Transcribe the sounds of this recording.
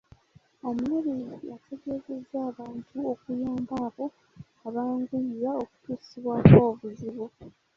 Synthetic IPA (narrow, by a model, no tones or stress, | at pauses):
omuleɾijatʰe̞ɡe̞ze̞zːaːβaːntʰuo̞kujaːmbaːβo̞ | aβaːŋɡuɾaoku̥tu̥ːsiβwaːkoːβuziβo